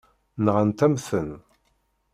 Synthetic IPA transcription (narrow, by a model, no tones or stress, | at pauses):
nʁənt̪æmθən